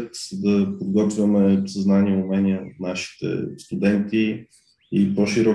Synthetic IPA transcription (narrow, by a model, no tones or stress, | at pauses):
t̪d̪ɐpod̪ɡɔt̪vʲjəmɛsəznaniɛʊmɛniɛo̰t̪naʃi̥t̪ɛ̰st̪ud̪ɛnt̪i | ipoʃiɾɔ